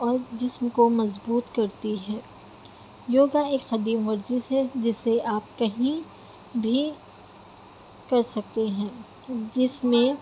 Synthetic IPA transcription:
ɔːɾd͡ʒɪsmkomɐzbuːt̪kɐɾt̪iɦɛ̃ː | joːɡaeːkxɐd̪iːmʋɐɾzised͡ʒɪseʔaːpkɐɦĩ | bʱi | kɐɾsɐk̚t̪eɦɛ̃ː | d͡ʒɪsmẽ

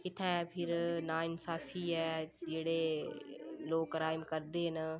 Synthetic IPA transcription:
ɪt̪ʰɛ̃ːpʰɪɾnaːɪnsaːpʰiːɛːd͡ʒeːɽeː | loːkɾaːjmkəɾd̪eːɦn

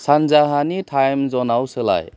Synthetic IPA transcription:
sanzaɦanitʰajmzɔnawsɯla̰j

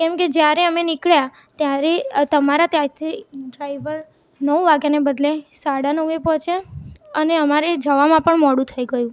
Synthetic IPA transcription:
kɛmked͡ʒjaɾeəmenɪkɭja | t̪jaɾet̪əmaɾat̪jaɾt̪ʰiɖɾaiʋəɾ | nəʋʋaɡjanebəd̪lesaɽanəʋepɔ̃t͡ʃʰjaəneəmaɾed͡ʒəʋamãpəɳmɔɽũt̪ʰəiɡəjũ

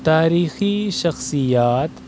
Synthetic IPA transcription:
t̪aːɾiːxiʃɐxsijaːt̪

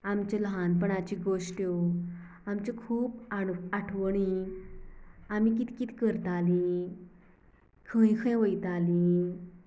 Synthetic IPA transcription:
amt͡ɕaləɦanpəɳat͡ɕiɡoʂʈjo | amt͡ɕekʰuːbaaʈʰʋəɳ̃i | amik̬it̪i̥kit̪ʰi̥kəɾt̪ali | kʰə̃j̃kʰə̃jʋəjt̪ali

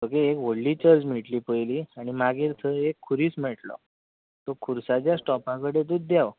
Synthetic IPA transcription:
məkeekʋoɽliːt͡ɕəɾd͡ʑmiʈliːpəjliːaɽ̃imaɡiɾt̪ʰəekʰːuɾiːsm̤ɛʈlɔ̰ | t̪okʰuɾsat͡ɕjasʈɔpãkəɽet̪ut̪̚d̪jaw

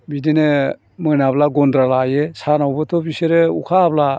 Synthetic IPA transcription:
bidene | mɯnablaɡɔndɾalajesanawbɯtʰɔbiseɾeukʰabla

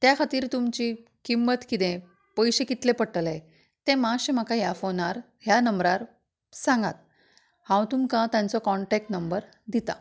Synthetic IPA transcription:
t̪jakʰat̪iːɾt̪umt͡ɕikimːət̪kit̪ẽ | pəjɕekit̪lepəʈəle | t̪ɛ̃maɕẽm̤akaɦjafonaɾ | ɦjanəmbɾaɾ | sãŋɡa̰t̪̚ | hãwt̪umkãt̪jãnt͡sɔkɔɳʈek̚ʈnəmbəɾ | d̪it̪a̰

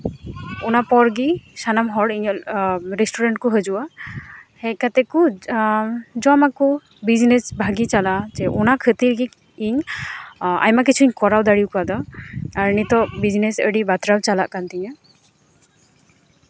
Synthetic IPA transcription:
ɔnapɔɾɡisanamɦɔɖiɲɔlɾɛsʈuɾaɳʈ̚kɔɦəd͡ʒuwa | hɛkat̪ɛku | d͡ʒɔamaku | bid͡ʒnesbʱaɡit͡ʃalad͡ʒɛʔɔnakʰət̪iɾɡi | iɲ | a̰jmak̬it͡ʃʰuiɲkɔɾawd̪aɽiwkad̪ɔaɾənit̪ɔbid͡ʒnesəɖibat̪ɾawt͡ʃalaʔkant̪iɲa

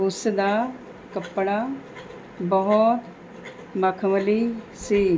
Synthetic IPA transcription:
usd̪a | kɐpːɽa | bɔɦɔt̪ | mɐkʰməli | si

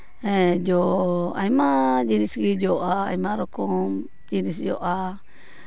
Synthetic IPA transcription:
ed͡ʒoa̰imad͡ʒinisɡid͡ʒoʔaa̰imaɾoko | d͡ʒinisd͡ʒo̰ʔa

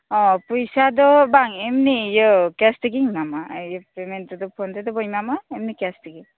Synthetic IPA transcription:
ɔpujsadɔbaŋemnijɯkɛstiɡiŋmamajɯpemendɔdɔpʰɔndedɔbɔjmamaemnikɛstiɡi

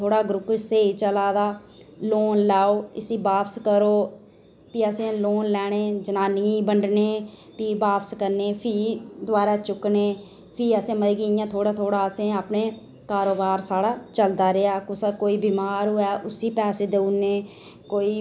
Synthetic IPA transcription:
t̪ʰoːɽaːɡɾʊpɪseːiːt͡ʃəlaːd̪aː | loːnlaːoːɪsiːbaːpʰskəɾoː | piːəsẽːloːnlɛːɽ̃eːd͡ʒənaːniːbəɳɖneː | piːbaːpskəɾneːpʰiːd̪ʊaːɾaːt͡ʃʊkneː | pʰiːəsẽːməd̪ɡiːɪjãːt̪ʰoːɽaːt̪ʰoːɽaːəsẽːaːpneː | kaːɾoːbaːɾsaːɽaːt͡ʃəld̪aːɾɪaːkʊskoːiːbiːmaːɾɦʊɛːʔʊsiːpɛːseːd̪eːʊneː | koːiː

